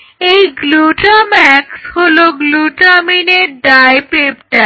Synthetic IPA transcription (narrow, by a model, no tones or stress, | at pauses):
ejɡluʈamɛksholoɡluʈamineɾɖajpepʈa